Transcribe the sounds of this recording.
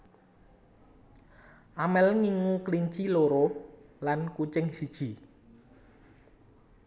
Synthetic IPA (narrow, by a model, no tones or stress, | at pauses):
ʔamɛlŋiŋukliɲt͡ʃiloɾolankut͡ʃɪŋsid̥ʒ̥i̤